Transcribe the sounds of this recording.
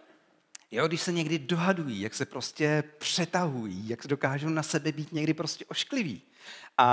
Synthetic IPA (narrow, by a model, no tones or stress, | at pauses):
joɡdɪʃsɛɲɛɡdɪdo̞ɦadujiːjaksɛpɾo̞scɛpr̥ɛt̪aɦujiːjaksdo̞kaːʒonasɛbɛbiːt̪ɲɛɡdɪpɾo̞scɛʔoʃklɪvḭː | ʔa